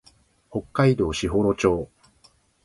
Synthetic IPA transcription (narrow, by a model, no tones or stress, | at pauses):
ho̞kːaid̪o̞ːɕiɦo̞ːɾo̞t͡ɕo̞ː